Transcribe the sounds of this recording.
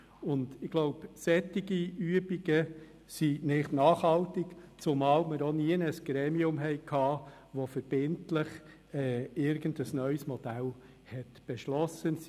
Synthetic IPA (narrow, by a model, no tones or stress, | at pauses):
ʊndɪɡ̥lɔʊpsɛt̪ːiɡiyəbiɡ̥ə | sinɪχtnɑːχhɑltɪkt͡sʊmɑːlməɾɔniənəsɡ̥ɾɛːmiʊmɦɛɪkʰhɑː | ʋofəɾb̥ɪntləχ | ɛːɪɾɡ̥əndəsnœʏsmɔd̥æl | hɛtb̥ɛʃlɔsən